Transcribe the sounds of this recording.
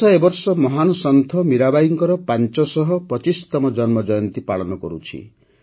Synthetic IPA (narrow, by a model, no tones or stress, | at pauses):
ɔebɔɾsɔmɔɦanɔsɔnt̪ʰɔmiɾabajiŋkɔɾɔpant͡ʃɔsɔɦɔpɾɔt͡ʃist̪ɔmɔd͡ʒɔnmɔd͡ʒɔjɔnt̪ipaɭɔnɔkɔ̰ɾṵt͡ʃʰḭ